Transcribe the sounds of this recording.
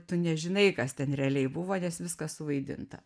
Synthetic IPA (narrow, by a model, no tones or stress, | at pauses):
t̪ʊnʲɛʒʲɪnɐɪkɐst̪ʲɛnɾʲɛɐlʲɛɪbʊʋoːnʲɛsʋʲɪskɐssʊʋɐɪd̪ʲɪ̰nt̪ɐ̰